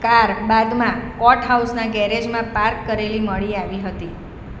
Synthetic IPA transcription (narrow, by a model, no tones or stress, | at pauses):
kaɾbad̪mãkɔʈɦausnaɡɛɾed͡ʒmãpaɾkːəɾeliməɭiaʋiɦət̪i